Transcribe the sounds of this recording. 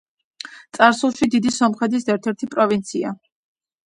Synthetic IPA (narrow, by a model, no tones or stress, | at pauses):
t̪sʼaɾsulˠʃid̪id̪isɔmχɛd̪ʰisaɛɾt̪ʰɛɾt̪ʰipʼɾɔvint̪sʰia